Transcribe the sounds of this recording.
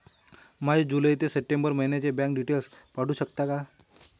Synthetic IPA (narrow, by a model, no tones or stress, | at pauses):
mad͡ʑed͡ʑuləjt̪esəʈembəɾməɦinjat͡ɕebãŋk̚ɖiʈelspaɽuːɕəkt̪aka